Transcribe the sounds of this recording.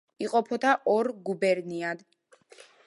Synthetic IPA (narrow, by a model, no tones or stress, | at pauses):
iqʼɔpʰɔt̪ʰaʔɔɾɡubɛɾniad̪